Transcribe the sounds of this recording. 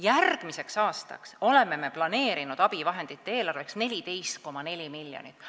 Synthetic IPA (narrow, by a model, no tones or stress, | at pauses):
jærɡ̥mise̞ksɑːst̪ɑ̰kso̞le̞mːe̞me̞plɑne̞ːɾinud̪̥ɑb̥ivɑɦe̞nd̪̥it̪ːee̞ːlɑrve̞ksne̞lʲid̪e̞jst̪̚ko̞mɑne̞lʲimilːjo̰nḭt̪ːˑ